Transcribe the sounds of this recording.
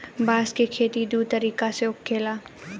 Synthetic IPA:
baːskekʰeːt̪id̪uːt̪ɐɾiːkaseʊkːeːlaː

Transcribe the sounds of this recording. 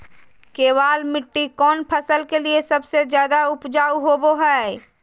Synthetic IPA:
keːwaːlmɪʈːikɔːnpʰəsəlkeliesɐbsed͡ʒjaːd̪aʊpd͡ʒaːuɦoboɦɛ

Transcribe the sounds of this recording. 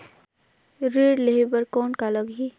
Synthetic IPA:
ɾeːɖleɦebəɾkoːnkaləɡi

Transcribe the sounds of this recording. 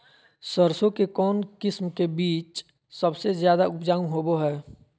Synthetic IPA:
səɾsõkekɔːnkɪsmkebiːt͡ʃ | səbsezjaːd̪aʊpd͡ʒaːũɦoːboɦɛː

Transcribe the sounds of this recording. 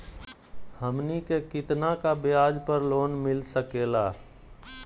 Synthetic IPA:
həmnikekɪt̪nakabɪaːd͡ʒpəɾloːnmɪlsəkeːlaː

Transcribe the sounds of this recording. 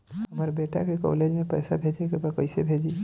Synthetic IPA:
ɦəmaɾbeːʈa̰kekɔ̰led͡ʒmẽpəjsabʱeːd͡ʒekebakəɪsebʱeːd͡ʒi

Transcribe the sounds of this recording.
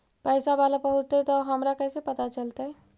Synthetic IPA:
pɛːsabalapəɦʊt͡ʃt̪ɛt̪oɦəmɾakɛːsepɐt̪at͡ʃəlt̪aɦɛ

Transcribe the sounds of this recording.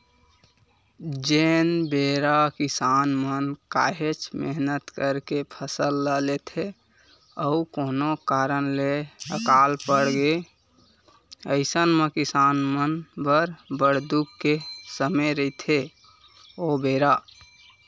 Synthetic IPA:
d͡ʒenbeɾakisanmənkaɦet͡ʃmeɦnət̪kəɾkepʰəsəlːəlet̪ʰe | əukonokaɾənleəkalpəɽɡe | əɪsənmekisanmənbəɾbəɽd̪ukːesəməɾəɪt̪ʰe | obeɾa

